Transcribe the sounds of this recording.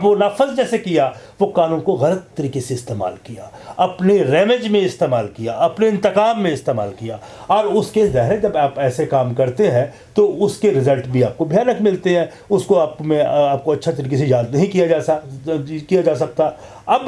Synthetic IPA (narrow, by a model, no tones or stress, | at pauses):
ʋonaːfəzd͡ʒɛːsekija | ʋokaːnuːnkoɣɐlət̪ːɐɾiːkeseɪst̪eːma̰ːlkijaːɐpneɾɛːmed͡ʒmẽɪst̪eːmaːlkijaɐpneɪ̃nt̪ɪkaːmːẽɪst̪eːma̰ːlkijaːɔːɾʊskezɛɦɾed͡ʒɐbaːpɛːsekaːmkɐɾt̪eɦɛ̃ | t̪oʊskeɾɪzəlʈbʱiaːp̚kobʱɪjaːnəkmɪlt̪eɦɛ̃ː | ʊskoaːp̚mẽaːp̚koɐtːʃʰet̪̬ɐɾiːk̬esejaːd̪nɐɦĩkijad͡ʒaːakijad͡ʒaːsɐk̚t̪a | ɐb